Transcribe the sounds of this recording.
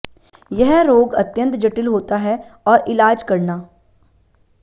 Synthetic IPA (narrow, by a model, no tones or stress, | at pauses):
jɛɦɾoːɡɐt̪jə̃nt̪d͡ʒɐʈɪlɦoːt̪aɦɛɔːɾɪlaːd͡ʒkɐɾnaː